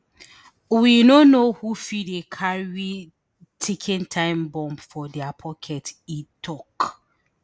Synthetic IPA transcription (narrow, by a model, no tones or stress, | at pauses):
winonohufidekʰaɹi | tʰekʰĩntʰãɪ̃mbɔ̃mbfɔdɛapʰɔkʰɛtitʰɔk